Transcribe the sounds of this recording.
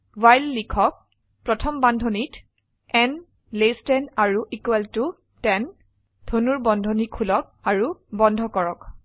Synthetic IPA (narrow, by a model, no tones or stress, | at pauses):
wajlːikʰɔk̚ | pɹɔtʰɔmbandʱonit | ɛn | lestɛnaɹuʔikwɛltu | tɛn | dʰʱonuɹbɔndʱɔnikʰulɔk̚aɹubɔndʱɔkɔɹɔk